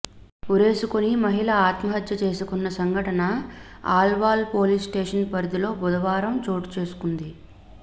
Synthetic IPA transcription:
uɾe̞ːsukonimɐɦilɐaːt̪mɐɦɐd̪jɐt͡ʃe̞ːsukunːɐsɐŋɡʱɐʈɐnɐ | a̰ːlʋaːlpo̞ːlisʈeːʂɐnpɐɾd̪ilo̞ːbud̪ɐʋaːɾɐmt͡ʃoːʈt͡ʃe̞ːsu̥kund̪i

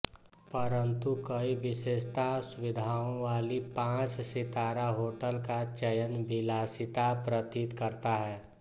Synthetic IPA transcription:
pəɾə̃nt̪ukəiʋɪʃeːʃt̪asʊʋɪd̪ʱaːõʋaːlipãːt͡ʃsɪt̪aːɾaɦoːʈəlkat͡ʃəjənbɪlaːsɪt̪apɾət̪it̪kəɾt̪aɦɛː

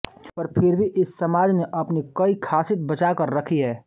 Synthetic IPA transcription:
pəɾpʰɪɾbʱiʔɪsːɐmaːd͡ʒneʔɐpnikɐikʰaːsɪt̪̚bɐt͡ʃakɐɾːɐkʰiɦɛː

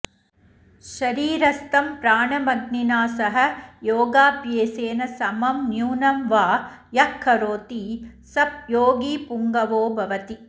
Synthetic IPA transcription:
ʃɐɾiːɾɐst̪ɐmpɾaːɳɐmɐɡninaːsɐɦɐ̆joːɡaːpjeːseːnɐsɐmɐmnjuːnɐmʋaːjɐkʰːɐɾoːt̪isɐp̚joːɡiːpuŋɡɐʋoːbʱɐʋɐt̪i

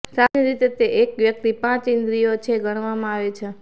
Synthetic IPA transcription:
saneɾit̪et̪eʔekʋjək̚t̪ipãt͡ʃɪnd̪ɾijot͡ʃʰeɡʱəɽ̃ʋamãaʋet͡ʃʰe

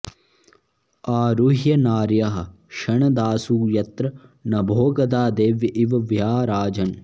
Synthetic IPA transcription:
aːɾuɦjɐnaːɾjɐɦɐ̰̆ | ʃɐɳɐd̪aːsuːjɐt̪ɾɐnɐbʱoːɡɐd̪aːd̪eːʋjɐʔiʋɐʋjaːɾaːd͡ʒɐn

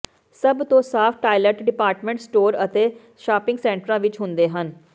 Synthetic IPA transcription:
səbt̪õːsaːpʰʈaːiləʈɖɪpaːɾʈmẽɳʈsʈoːɾət̪eː | ʃaːpɪ̃ŋɡsɛ̃ːɳʈɾãːʋɪt͡ʃɦʊnd̪eːɦən

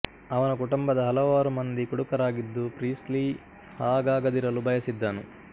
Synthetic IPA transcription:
ɐʋɐnɐkuʈumbɐd̪ɐɦɐlɐʋaːɾumɐnd̪ikuɽukɐɾaːɡid̪ːupɾiːsli | haːɡaːɡɐd̪iɾɐlubʱɐjɐsid̪ːaːnu

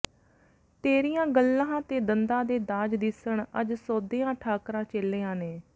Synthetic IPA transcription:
t̪eːɾijãːɡəlːãːt̪eːd̪ənd̪ãːd̪eːd̪aːd͡ʒd̪ɪsəɳəd͡ʒsoːd̪eːãːʈʰaːkɾãːt͡ʃelːeːãːneː

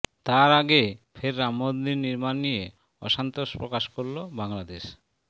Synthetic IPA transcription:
t̪aɾaɡefʰeɾːamːod̪ninːiɾmanːije | ɔ̰ʃant̪oʃpɾokaʃkoɾlobaŋlad̪eʃ

